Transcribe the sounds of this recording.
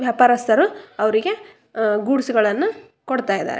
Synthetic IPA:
ʋjaːpaːɾɐst̪ʰɐɾuɐʋɐɾiɡe̞ | ɡuːɽsuɡɐɭɐnːu | koɽt̪aːjd̪a̰ːɾe

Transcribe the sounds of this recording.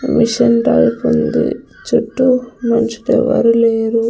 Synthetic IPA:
miʂɐnʈaːjipund̪ḭ | t͡ʃuʈːumɐɲt͡ʃi̥ʈɛʋːɐɾuleːɾu

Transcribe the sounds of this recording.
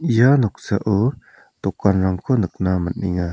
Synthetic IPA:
ijanɔk̚saʔɯ | t̪ɔkanɾaŋkʰonɯk̚namənḭŋa

